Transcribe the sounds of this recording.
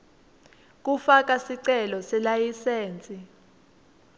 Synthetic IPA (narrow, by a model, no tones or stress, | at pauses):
k̬ʼufak̬ʼasiǀɛlɔsɛlajiseːnt͡sʼi